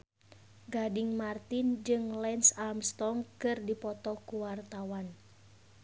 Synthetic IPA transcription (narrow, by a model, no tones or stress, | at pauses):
ɡadiŋmart̪ind͡ʒɨŋlɛnsalmst̪ɔŋkɨrdipɔt̪ɔkuwart̪awan